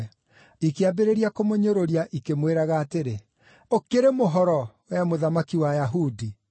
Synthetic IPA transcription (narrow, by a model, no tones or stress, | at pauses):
ikeabeɾeɾiakomoɲoɾoɾiaʔikemweɾaɣaːteɾe | okeɾemoɦɔɾɔwɛmoðamakiwajaɦudi